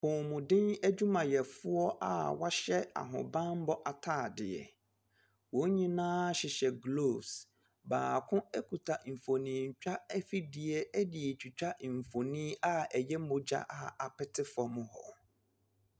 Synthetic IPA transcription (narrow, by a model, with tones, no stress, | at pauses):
hʊ̃˨mʊ̃˨dɪ̃˦næ˦d͡ʑᶣu˦mã˨jɛ˨fʊ˦ɔ˦ʔa̰˦wa˦ɕɛ˦a̰˨ɦʊ̰̃˨bã˦m̩˦bɔ˦ʔa˨tʰaː˦˨dɪ˨ɛ̰˨ | wõ˨˦ɲĩ˦nãː˦ɕɪ˨ɕɛ˨ɡlo˨s | baː˨kʰʊ̃˦ɛ˦kʰu˨tʰa˨m̩˨fo˨nĩː˨ɲ̩˨t͡ɕᶣa˦ɛ˦fi˦dɪ˨ɛ˨æ˦dɪ˨ɛ˨t͡ɕʰᶣi˨t͡ɕᶣa˦˨m̩˨fo˨nĩː˦a˦ɛ˨jɛ˦mʊ̃˨d͡ʑa̰˦ʔa˦a˨pɪ˦tʰɪ˦fɔ˨mʊ̃˨hɔ˨